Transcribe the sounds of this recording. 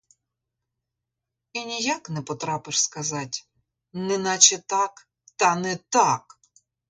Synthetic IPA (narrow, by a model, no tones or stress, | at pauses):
inʲijaknɛpɔt̪ɾɑpɪʂskɐzɑtʲ | nɛnɑt͡ʃɛt̪ɑk | t̪ɐnɛt̪ɑk